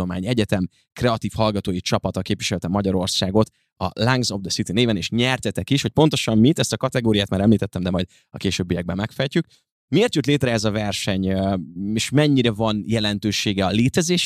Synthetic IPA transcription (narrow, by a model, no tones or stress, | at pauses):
oma̰ːɲɛɟɛt̪ɛm | krɛɒt̪iːfhɒlɡɒt̪oːjit͡ʃɒpɒt̪ɒkeːpvʋiʃɛlɛt̪ɛmːɒɟɒɾo̞rsaːɡo̞t̪ | ɒ̰laŋɡzopd̪ɛsit̪ineːvɛneːʃɲɛrt̪ɛt̪ɛkiʃho̞c̚ʲpo̞nt̪oʃɒmmit̪ɛst̪ɒkɒt̪ɛɡoːɾijaːt̪maːɾɛmliːt̪ɛt̪ːɛmd̪ɛmɒjd̪ | ɒkeːʃøːbːijɛɡ̚bɛmːɛkfɛjcyk | mieeːrt̪jut̪leːt̪rɛɛzɒvɛrʃɛɲ | eːʃmɛɲːiɾɛvɒnjɛlɛnt̪øːʃeːɡɛɒleːt̪ɛzeːʃ